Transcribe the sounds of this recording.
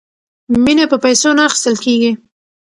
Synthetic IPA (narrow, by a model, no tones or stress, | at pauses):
minapəpajsonaːxɪ̥st̪əlkeɡi